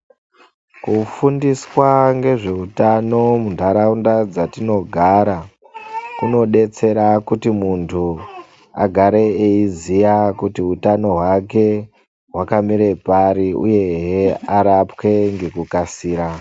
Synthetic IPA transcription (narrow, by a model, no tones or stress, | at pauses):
kufundiswaŋɡe̞ʐe̞utano̞mundʱaɾaundad͡zatino̞ɡʱaɾa | kuno̞ɗe̞t͡se̞ɾakutimuntʰu | a̰ɡʱaɾe̞eizijakutiɦutano̞ɦwake̞ | ɦwakamiɾe̞paɾiṵje̞ɦeaɾapke̞ŋɡe̞kukasiːɾa